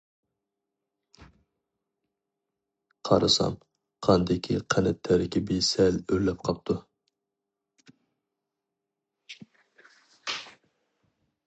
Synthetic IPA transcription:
qʰɑ̰ɾɨsɑ̰m | qʰɑnd̪ɪkʲʰiqʰænɛt̪ʰːɛɾɪkʲibesɛløɾlːɛp̚qʰɑp̚t̪ʰu

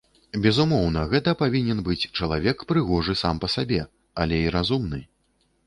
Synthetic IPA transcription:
bʲɛzumɔwnɐɣɛt̪ɐpavʲinʲɛnbɨt͡sʲt͡ʂɐlˠavʲɛkpɾɨɣɔʐɨsampɐsabʲɛ | alʲɛiɾazumnɨ

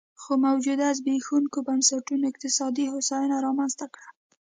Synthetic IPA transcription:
xomawd͡ʒud̪azbexuŋkobansaʈunoɪqt̪ɪsɑd̪ihʊsɑjunaɾɑmanzt̪akɽa

